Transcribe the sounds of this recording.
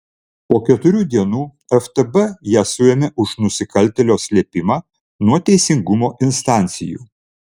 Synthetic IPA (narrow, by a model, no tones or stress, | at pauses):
poːkʲɛt̪ʊɾʲuːd̪ʲiɛnuː | ɛft̪ɛbɛjæːsʊjɛmʲɛʔʊʃnʊsʲɪkɐlʲt̪ʲɛlʲoːsʲlʲiɛpʲɪmɑː | nuɔt̪ʲɛɪsʲɪŋɡʊmoːʔɪnst̪ɑˑnʲt̪sʲɪjṵː